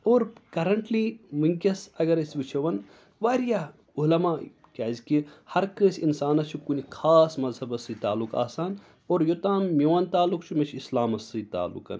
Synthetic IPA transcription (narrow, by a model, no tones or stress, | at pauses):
oːɾkɐɾɐɳʈliːmɨŋkʲɐsɐɡɐɾɐsʲʋɨt͡ʃʰɐʋɐn | ʋaːɾjaː | ulɐmaː | kʲaːzkihɐɾkəːsʲinsaːnɐt͡ʃʰukunikʰaːsmɐzhɐbɐsɨt̪aːlːuka̰ːsaːn | oːɾjot̪aːmːʲiʋɐnt̪aːlːukt͡ʃʰumɐt͡ʃʰislaːmɐsɨt̪a̰ːlːṵkɐ̰n